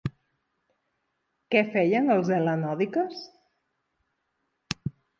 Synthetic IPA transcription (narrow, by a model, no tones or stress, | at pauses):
kɛfɛjənəlˠzelənɔðikəs